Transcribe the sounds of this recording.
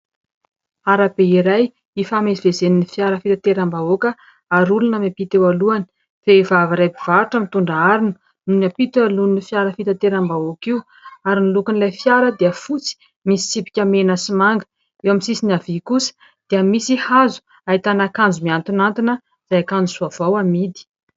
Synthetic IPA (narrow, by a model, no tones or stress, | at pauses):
aɾabeiɾaj | ifamezivezeninifjaɾəfit̪at̪eɾambaokə | aɾulunəmepit̪ewaluani̥ | v̥evavaɾajbiv̥aɾʈ͡ʂəmit̪uɳɖ͡ʐaaɾinu | nunapit̪alunifjaɾəfit̪at̪eɾambaokiw | aɾinilukunilajfjaɾəd̪eəfut͡si̥ | misi̥t͡sipi̥kʲamenəsimaŋɡə̥ | ewamisisinavikusə̥ | d̪̥eəmisihazu̥ | ait̪anakand͡zumiant̪unant̪inə | z̥ajakand͡zusuav̥awamid̪i̥